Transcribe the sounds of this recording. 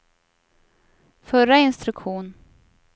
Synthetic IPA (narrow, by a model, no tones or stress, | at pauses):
fœɾaɪnst̪ɾɵkɧuːn